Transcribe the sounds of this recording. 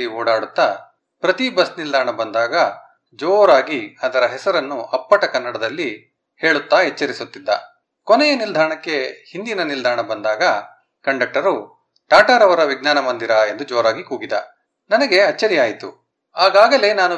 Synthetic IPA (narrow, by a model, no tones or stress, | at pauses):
ioːɽaːɽut̪ːa | pɾɐt̪ibɐsnild̪ʱaːɾɐɳɐbɐnd̪aːɡɐ | d͡ʒoːɾaːɡiɐd̪ɐɾɐɦɛsɐɾɐnːuʔɐpːɐʈɐkɐnːɐɽɐd̪ɐlːi | he̞ːɭut̪ːaɦɛt͡ʃːɐɾisut̪ːid̪ːɐ̰ | kɔnɛjɐnild̪ʱaːɾɐɳɐkːe̞hind̪inɐnild̪ʱaːɾɐɳɐbɐnd̪aːɡɐ | kɐɳɖɐk̚ʈːɐɾu | ʈaːʈaːɾɐʋɐɾɐʋiɡnaːnɐmɐnd̪iɾɐe̞nd̪ud͡ʒoːɾaːɡikuːɡid̪ɐ̰ | nɐnɐɡe̞ɐt͡ʃːɐɾijaːjit̪ṵ | aːɡaːɡɐle̞naːnu